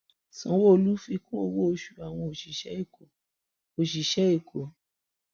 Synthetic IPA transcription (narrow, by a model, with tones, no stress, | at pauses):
sɔ̃˨˦wo˦o˧lu˦fi˧kõ˦o˧wo˦o˧ʃu˨a˨w̃ɔ̃˧o˨ʃi˨ʃɛ˦i˦˨ko˨ | o˨ʃi˨ʃɛ˨˦i˦˨kʰo˨